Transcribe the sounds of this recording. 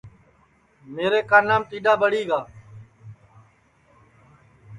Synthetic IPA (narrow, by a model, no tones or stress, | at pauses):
meːɾeːkaːnːãːmt̪iːɗaːbəɽiːɡaː